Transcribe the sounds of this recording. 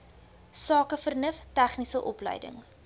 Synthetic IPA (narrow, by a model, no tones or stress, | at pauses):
sɑːkəfərnəftæχnisəʔɔplə̰jdə̰ŋ